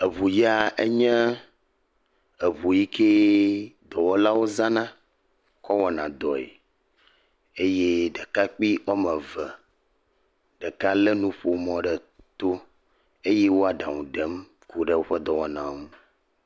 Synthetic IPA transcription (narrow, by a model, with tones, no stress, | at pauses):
e˨βu˨ja˨ʔe˦ɲɛ̃˦ | e˨βu˨ji˦ke˦d̪ɔ˨wɔ˦la˦wo˦zã˦nã˦ | kɔ˦wɔ˨nã̰˨d̪ɔ˨ḛ˨ | e˦je˦ɖɛ˨ka˦k͡pi˦ɔ˦mɛ̃˨və˨ | ɖe˨ka˦le˦nũ˦ɸo˨mɔ̃˨ɖɛ˨ | t̪o˦ | e˦je˦wo˦a˨ɖa˨ŋũ˨ɖɛ˦m | ku˦ɖɛ˦wo˦ɸə˦d̪ɔ˨wɔ˦nã̰˨ŋũ˦